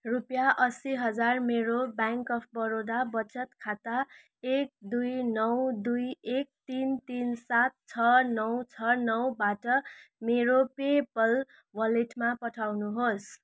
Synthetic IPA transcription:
rupjaʔʌsiɦʌd͡zarmeɾobaŋkʌpʰbʌɾod̪abʌt͡sʰʌt̪kʰat̪a | ek̚d̪ujnʌwd̪ujek̚t̪int̪insat̪̚t͡sʰʌnʌwt͡sʰʌnʌwbaʈʌmeɾopepʌl | wʌleʈmapʌʈʰawnuɦos

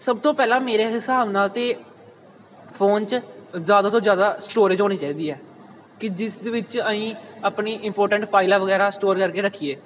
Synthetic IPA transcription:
səbt̪õːpɛːlãːmeːɾeːɦɪsaːbnaːlt̪eː | pʰoːnt͡ʃzjaːd̪aːt̪õːd͡ʒjaːd̪aːsʈoːɾɪd͡ʒɦoːniːt͡ʃaːiːd̪iːɦɛː | kɪd͡ʒɪsd̪eʋɪt͡ʃəĩːəpniːʔɪmpoːɾʈəɳʈpʰaːɪlaːʋəɡɛːɾaːsʈoːɾkəɾkeːɾəkʰːiːeː

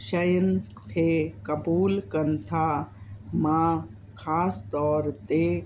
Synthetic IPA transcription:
ʃəjən | kʰekɐbuːlkɐnt̪ʰa | mã | kʰaːst̪ɔːɾt̪e

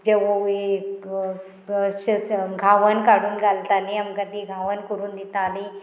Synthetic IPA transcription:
d͡ʑeʋoʋi | ɕəɡʱaʋənkaɽuːnɡalt̪aliamkəd̪iːɡʱaʋənkuɾuːnd̪it̪aːli

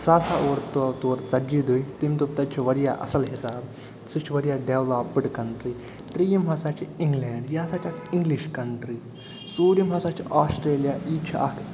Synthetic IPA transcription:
sasaoɾt̪t̪uɾt͡sɐd͡ʒid̪uit̪imʲt̪upt̪ɐt͡ʃʰiʋɐɾja̰ʔɐ̰səlɦisab | sɨt͡ʃʰiʋɐɾijaɖewlaːpɨɽkɐɳʈɾi | t̪ɾijimɦasat͡ʃiĩŋɡlɛɳɖjasat͡ʃakiŋɡliɕkɐɳʈɾi | soːɾimɦasat͡ʃiʔasʈɾeːlijait͡ʃʰia̰k

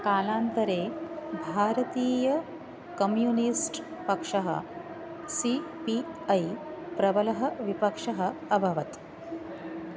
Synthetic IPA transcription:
kaːlaːnt̪ɐɾeːbʱaːɾɐt̪iːjɐ | kɐmjuːnisʈpɐkʂɐɦɐ̰ | sipiɐjpɾɐbɐlɐɦɐ̆ʋipɐkʂɐɦɐ̆ɐbʱɐʋɐt̪

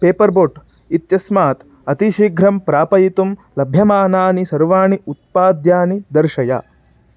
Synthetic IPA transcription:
peːpɐɾboːʈ | it̪jɐsmaːt̪ | ɐt̪iʃiɡʱɾɐmpɾaːpɐjit̪umlɐbʱjɐmaːnaːnisɐɾʋaːɳiut̪̚paːd̪jaːnid̪ɐɾʃɐja̰

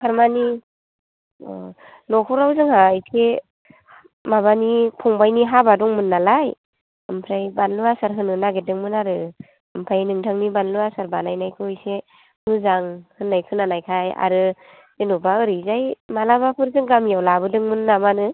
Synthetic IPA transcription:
kʰaɾmani | nɔkʰuɾawzɯŋhajsʰe | maβanipʰɔŋbajniɦabadɔŋmɯnːalaj | ɯmpʰɾajbanluwasaɾɦɯnɯnaɡedɯŋmɯnaɾɯ | ɯmpʰajnɯŋtʰaŋnibanluwasaɾbanajnajkʰɯɯjse | mɯzaŋhɯnːajkʰɯnːanajkʰaja̰ɾɯ | enubaɯɾɯzajmalabapʰɯɾzɯŋɡamjawlabɯdɯŋmɯnːamanɯ

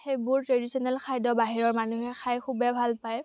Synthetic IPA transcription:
xejbʊɹtɹedisɔnɛlkʰajdɔbaɦiɹɔɹmanuhɛxʰajkʰubɛbʱalpaj

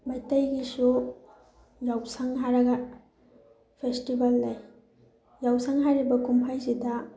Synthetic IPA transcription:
majtɐjɡisu | jawsaŋɦaɾɐɡɐ | pʰestibɐlːaj | jawsaŋɦaɾibɐkumpʰajsidɐ

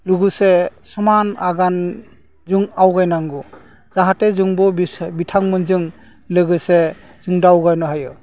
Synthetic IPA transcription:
luɡɯsesɔmanaɡan | zuŋawɡajnaŋɡu | z̥aɦatezɯŋbɔbbitʰaŋmɯnzɯŋ | lɯɡɯse | zɯŋdawɡajnɔɦajɯ

